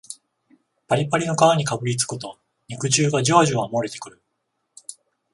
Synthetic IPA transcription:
paɾʲipaɾʲino̞kaβaɲ̟ikabɯ̟ɾʲit͡sɨ̥kɯt̪o̞ | ɲ̟ʲikɯ̟t͡ɕɨːɡad͡ʑoaʑɨβamoɾe̞t̪e̞kɯ̟ɾɯ̟

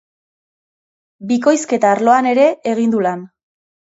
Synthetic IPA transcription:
biko̞jske̞t̪aːɾlo̞ane̞ɾe̞ːɣind̪ulan

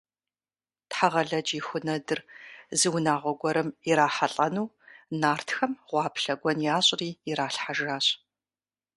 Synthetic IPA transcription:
tħaʁɐɮɐd͡ʒixʷʊnɐdɨrzɨwnaːʁʷɔɡʷɔɾɨmiɾaːħaɬʼɐnuː | naːrtxɐmʁʷɑːpɬɐɡʷɔnjaːɕʼriːɾaːɬħaʒaːɕʼ

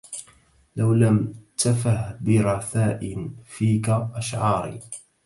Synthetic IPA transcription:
lawlamt̪afaʕbɪɾˤɑθaːʔɪfiːkaʔaʃʕɑːɾḭː

